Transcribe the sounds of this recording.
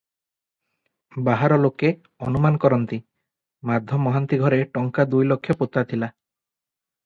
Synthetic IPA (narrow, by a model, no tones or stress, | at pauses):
baɦaɾɔloke | ɔnumankɔɾɔnt̪i | mad̪ʱjɔmɔɦant̪iɡʱɔɾeʈɔŋkad̪ujlokʰːjɔpot̪at̪ʰila